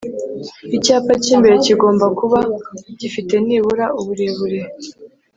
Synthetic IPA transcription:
icaːpaciːmbe̞ɾeciɡo̞ːmbakuβaɟ̥ifite̞niːβuɾauβuɾeβuɾe̞

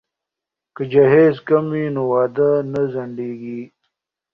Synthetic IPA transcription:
kəd͡ʒɐɦeːzkɐmwiːnowaːd̪anɐzɐɳɖeːɡiː

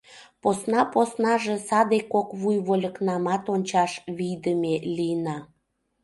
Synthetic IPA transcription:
posnɑposnɑʒesɑd̪ekokβujβolʲə̆knɑmɑt̪onʲt͡ɕɑʃβijd̪əmelijənɑ

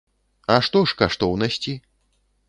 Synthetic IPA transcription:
ɐʂt̪ɔʂkaʂt̪ɔwnɐsʲt͡sʲi

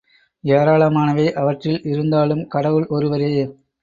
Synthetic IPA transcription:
eːɾaːɭɐmaːnɐʋeːʔɐʋɐʈrɪlɪɾɯnd̪aːɭɯmkɐɽɐʋɯɭʔɔɾɯʋɐɾeː

